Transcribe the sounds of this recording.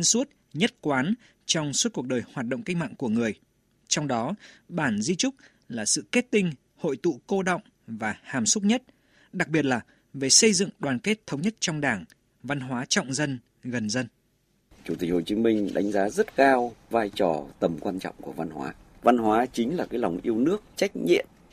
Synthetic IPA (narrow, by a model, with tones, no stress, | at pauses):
nsu˦˥t̚ | ɲə˦˥t̚kwaː˨˦n | t͡ɕɔ˧wŋ͡msu˦˥t̚ku˨˩ək̚ɗəː˨˩jhwaː˨˩t̚ɗə̰˧˨wŋ͡mka˦˥jk̟̚ma̰ː˧˨ŋku˧˩əŋɨ˨˩əj | t͡ɕɔ˧wŋ͡mɗɔ˨˦ɓaː˧˩nzi˧t͡ɕʊ˦˥k͡p̚ | laː˨˩sɨ̰˧˨ke˦˥t̚t̪ï˧ŋ̟ | ho̰˧˨jt̪ṵ˧˨ko˧ɗə̰˧˨wŋ͡m | vaː˨˩haː˨˩msʊ˦˥k͡p̚ɲə˦˥t̚ | ɗa˨˩k̚ɓi˨˩ət̚laː˨˩ | ve˨˩sə˧jzɨ̰˧˨ŋɗwaː˨˩nke˦˥t̚t̪ʰə˨˦wɲə˦˥t̚t͡ɕɔ˧wŋ͡mɗaː˧˩ŋ | va˧nɦwaː˨˦t͡ɕɔ̰˧˨wŋ͡mzə˧n | ɣə˨˩nzə˧n | t͡ɕu˧˩t̪i˨˩k̟̚ho̰˧˨t͡ɕi˨˦mï˧ŋ̟ɗa̰˨˦ŋ̟zaː˨˦zə˦˥t̚kaː˧wvaː˧jt͡ɕɔ˨˩t̪ə˨˩mkwaː˧nt͡ɕɔ̰˧˨wŋ͡mku˧˩əva˧nɦwa̰ː˨˦va˧nɦwaː˨˦t͡ɕï˨˦ŋ̟laː˨˩kaː˨˦jla˨˩wŋ͡mʔi˧əwnɨ˦˥ək̚t͡ɕa˦˥jk̟̚ɲḭ˧˨əm